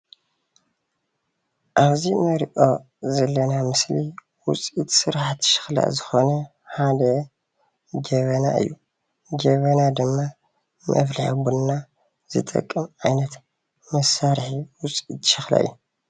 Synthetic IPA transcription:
ʔaβzimɐɾʔo̞ | zɐlːɐnamɨsli | wʊ̰t͡sʼit̪sɨɾħt̪ʃɪ̥xla̰zɨxo̞nɐ | ħad̪ɐ | d͡ʒɐβɐna̰ɨ̰jːu | d͡ʒɐβɐnad̪ɨmːa | mʔɐ̰fliħabunːa | z̥ɨ̰t̪ʼɐ̰kʼːɨmʔajnɐt̪ | mɐsːaɾħiwʊt͡sʼit̪ʃɪxla̰ʔɨ̰jːu

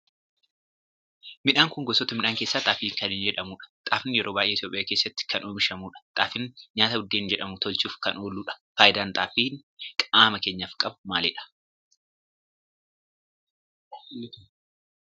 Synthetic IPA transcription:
mɪᶑaːŋkʊŋɡɔsɔt̪ːɐmɪᶑaːŋkeːsːaːt̪ʼaːfiːŋkɐnɪnd͡ʒɛᶑɐmuːᶑɐ̥t̪ʼaːfɪnjɛɾʔoːbaːjʔeːɪt̪joːpʼɪjaːkeːsːɐt̪ːɪ̥kʰɐnʔoːmɪʃɐmuːᶑɐ̥t̪ʼaːfɪnɲaːt̪ɐʊd̪ːeːnd͡ʒɛᶑɐmʊt̪ɔlt͡ʃuːfkɐnoːluːᶑɐ̥faːʔɪd̪aːnt̪ʼaːfiːn | kʼaːmɐkeːɲːɐfkʼɐbʊmaːleːᶑɐ̥

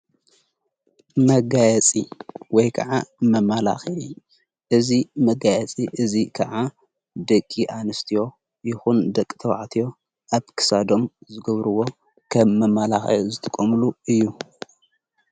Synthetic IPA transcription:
mɐɡajɛt͡sʼiwɔjkʰɐ̰ʕamɐmala̰xɐi | ʔɨzimɐɡajɛt͡sʼiʔɨzikʰɐ̰ʕa | d̪ɐkʼːiʔanɨst̪ʰijo̞ | jɪxund̪ɐkʼːt̪ʰɐwa̰ʕt̪ʰijo̞ | ʔaβkʰɨ̥sad̪o̞mzɨɡɐβɾɨwo̞ | kʰɐmːɐmalaxɐ̰jzɨt̪ʰɨkʼːomluɨjːu

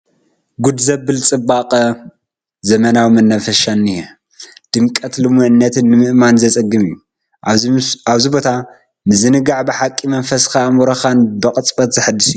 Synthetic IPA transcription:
ɡud̪zɐbɨlt͡sʼɨbaqʼɐ | zɐmɐnawimɐnːɐfɐʃanːijɛ | d̪̥ɨmkʼɐt̪lɨmuʕɨnːɐt̪ʰɨnːɨmɨʔmanzɐt͡sʼɐɡɨmju | aβzibo̞t̪ʰa | nɨzɨnɨɡaʕbɨħakʼːimɐnfɐsxamuɾɐxanbɐqʼɨt͡sʼbʼɐt̪zɐħɨd̪ɨsiju

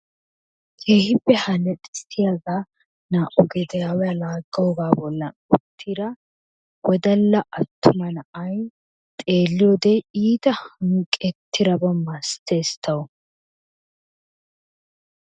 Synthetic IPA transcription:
kʰeːhɪbːɛhɐnɛt̪ʼɛsɪjaɡaː | naːʔʊɡɛd̪ɛjaːwɛjalaːɡːɐwɔɡaːbɔlːɐnʊ̰t̪ʰːiɾɐ | wɔd̪ɐlːɐʔɐt̪ːʊmɐnɐʔɐj | t̪ʼe̞ːlːɪjoːd̪ɛiːt̪ɐhɐŋkʼːɛt̪ʰːɪɾɐbɐmɐst̪e̞ːst̪ʰɐwɔ

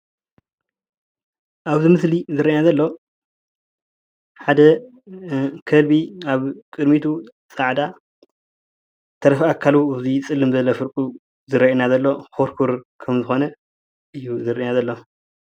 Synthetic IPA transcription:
ʔaβzɨmɨslizɨɾɐʔinazɐlːo̞ | ħad̪ɐ | kʰɐlbiaβkʼɨd̪mit̪ʰu | sʼaʕd̪a | t̪ʰɐɾɐfakʰːaluaβzit͡sʼɨlːɨmzɐlːofɨɾkʼu | zɨɾɐʔinazɐlːo̞xoɾkʰuɾkʰɐmzɨxo̞nɐ | ʔɨjːuzɨɾʔɐʔnazɐlːo̞

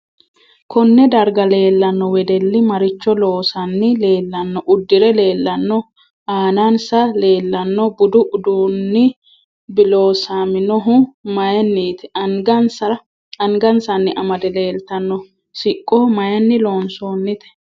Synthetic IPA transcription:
kʰɔnːɛd̪ɐɾɡɐle̞ːlːɐnːɔwɛd̪ɛlːɪmɐɾɪt͡ʃːɔlo̞ːsɐnːɪle̞ːlːɐnːɔʔʊd̪ːɪɾɛle̞ːlːɐnːɔ | aːnɐnsɐle̞ːlːɐnːɔbʊd̪ʊʔʊd̪uːnːɪ | bɪlo̞ːsaːmɪnɔɦʊmɐjɛnːiːt̪ɛ̥ɐŋɡɐnsɐ | ɐŋɡɐnsɐnːɪʔɐmɐd̪ɛle̞ːlt̪ɐnːɔ | sɪkʼːɔmɐjɐnːɪlo̞ːnsoːnːɪt̪ɛ̥

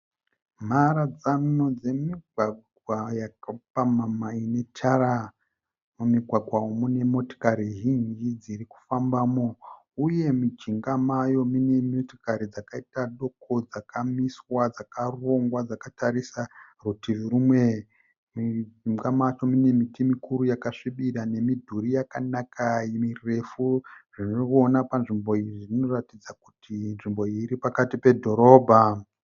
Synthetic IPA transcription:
m̤aɾad͡zano̞d͡ze̞miɡwaɡʱwajakapamamaine̞t͡ʃʰaɾa | mumiɡʱwaɡʱwaomunemo̞to̥kaɾiɦind͡ʒid͡ziɾiku̥fambaːmo | uje̞mit͡ʃiŋɡamajo̞mine̞moto̥kaɾid͡zakaitaɗo̞kʰo̞d͡zakʰamiswad͡zakaroŋɡwad͡zakataɾisarutiriɾumwe | mid͡ʒiŋɡamat͡ʃo̞mine̞mitimikuɾujakaʂiɓiɾane̞midʱuɾijakanakʰajimire̞fuʐ̥inookuonapanʐimbo̞iirino̞ratid͡zakutinʐimbo̞iɾipakatipe̞dʱo̞ɾo̞ːbʱa

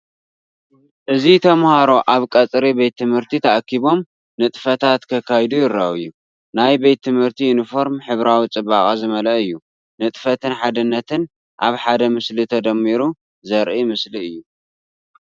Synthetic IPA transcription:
ʔɨzit̪ʰɐmhaɾo̞ʔaβkʼɐt͡sʼɾibe̞t̪ːɨmhɨɾt̪ʰit̪ʰɐʔakʰːiβo̞m | nɨt̪ʼfɐt̪ʰat̪kʰɐkʰːajd̪ujɪɾːɐɨjːu | najbe̞t̪ʰːɨmhɨɾt̪ʰijunifo̞ɾmħɨβɾawit͡sʼɨbaχʼazɨmɐlɐɨjːu | nɨt̪ʼfɐt̪ɨnħad̪ɨnːɐt̪ʰɨn | ʔaβħad̪ɐmɨslit̪ʰɐd̪ɐmːiɾu | zɐɾʔimɨsliɨjːu

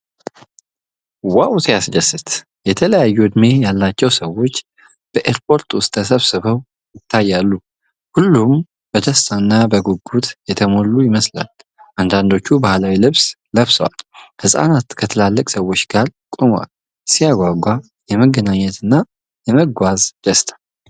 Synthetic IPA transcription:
waʔwsijasd͡ʒəsɨt̪ | jɛt̪ʰələjajːuɨd̪me̞jalːat͡ʃːɛwsəwo̞t͡ʃː | b̥əʔeɾpʰo̞ɾt̪ʼwʊst̪ʼəsəβsɨβəw | jɪt̪ʰːajːalːu | hulːum | b̥əd̪ʰəst̪ʰanːabəɡuɡːut̪jɛt̪ʰəmo̞lːujɪməsla̰l | ʔand̪and̪o̞t͡ʃːubahlawilɨβs | ləβsəwa̰lhɨsʼa̰nat̪kʰət̪ʰɨlalːəkʼsəwːo̞t͡ʃːɡ̥alkʼumwa̰l | sijaɡʷaɡʷa | jɛməɡːənaɲːɛt̪ʰɨnːa | jɛməɡʷazd̪̥əst̪ʰʼḁ

